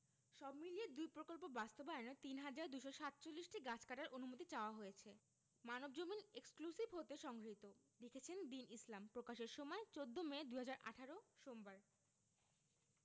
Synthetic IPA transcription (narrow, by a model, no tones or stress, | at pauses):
ʃɔbmilijed̪ujpɾokolp̬obast̪obaeonet̪inɦad͡ʑaɾd̪ujʃoʃat̪̚t͡ɕolːisʈiɡat͡ɕʰkaʈaɾʔonumot̪it͡ɕaoaɦojet͡ɕʰe | manob̚d͡ʑomineksklusibɦot̪eʃɔŋɡʱɾit̪o | ɾekʰet͡ɕʰend̪inislampɾokaʃeɾʃɔmɔet͡ɕod̪ʱːomed̪ujɦad͡ʑaɾʔa̰ʈʰaɾoʃombaɾ